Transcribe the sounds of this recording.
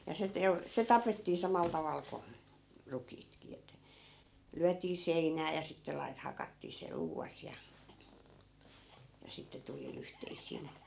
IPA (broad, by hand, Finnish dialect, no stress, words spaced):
jɑ se teu se tɑpetːiː sɑmɑl tɑʋɑl ko rukiːtki etːæ̆ lyætˑiː seinˑæː jɑ sitːe lɑi̯t hɑkɑtːiː se luːʋɑs jɑ jɑ sitːe tuli lyhteisˑiːn̞